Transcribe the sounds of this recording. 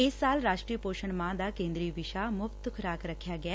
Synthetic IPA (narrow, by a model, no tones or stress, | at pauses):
ɪsːaːlɾaːʃʈɾiːpoːʃəɳmãːd̪aːkẽːnd̪ɾiːʋɪʃaːmʊpt̪ʊkʰɾaːkɾəkʰːjaːɡɪa